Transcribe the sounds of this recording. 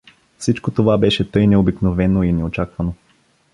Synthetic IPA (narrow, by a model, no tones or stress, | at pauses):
fsit͡ʃkot̪ovabɛʃɛt̪ɤjnɛobiknovɛnoinɛot͡ʃakvɐno